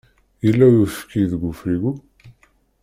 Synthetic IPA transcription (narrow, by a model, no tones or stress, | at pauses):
jəlːæjufkːiðəɡʷufɾiɡu